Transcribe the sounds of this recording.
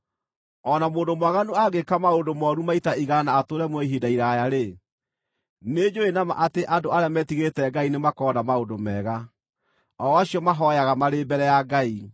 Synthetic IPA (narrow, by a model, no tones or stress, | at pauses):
ɔnamoːndomwaɣanoaɡekamaondomɔɾumaitaiɣanaːtoɾɛmwɛiɦidaiɾajaɾe | ned͡ʒoenama̰ʔateʔadoaɾeamɛtiɣetɛɡainemakɔːnamaodomɛːɣa | ɔaɕiɔmaɦɔjaɣamaɾebɛɾɛjaɡai